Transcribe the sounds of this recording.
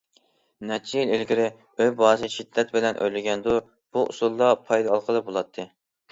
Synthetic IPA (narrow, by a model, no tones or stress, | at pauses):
nɛt͡ʃʰijɪlelɡʲiɾɪ | øjbɑːsɨʃid̪ːɛt̪̚bɪlɛnʔø̰jlɪɡʲɛnd̪u | b̥uʔṵsulˠːɑpʰɑjd̪ɨɑlˠqʰəlˠɨbolˠɑt̪ʰːɨ